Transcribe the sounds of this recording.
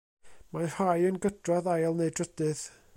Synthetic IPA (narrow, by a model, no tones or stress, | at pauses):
mahajənɡədrɔðajlˠnejdrədɨð̥